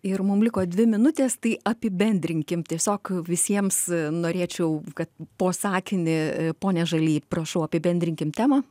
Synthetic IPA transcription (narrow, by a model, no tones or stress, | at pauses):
ɪrmʊmlʲɪkoːd̪ʲʋʲɪmʲɪnʊt̪ʲeːst̪ɐɪɐpʲɪbʲɛnʲd̪ʲɾʲɪŋʲkʲɪmt̪ʲiɛsʲoːkʋʲɪsʲiɛmsnoːɾʲeːt͡ʃʲɛʊkɐt̪poːsɑːkʲɪnʲɪpoːnʲɛʒɐlʲiːprɐʃɐʊɐpʲɪbʲɛnʲd̪ʲɾʲɪŋʲkʲɪmt̪ʲæːmɑ